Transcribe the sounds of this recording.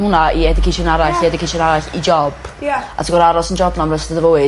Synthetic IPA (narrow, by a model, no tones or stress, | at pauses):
hʊnaiɛdɪkʰejʃɔnaɾaɬiɛdɪkʰeʃɔnaɾaɬid͡ʒɔb̥a̰tʰiɡɔɾaɾɔsənd͡ʒɔbnɔmrəsdəðəvowɨ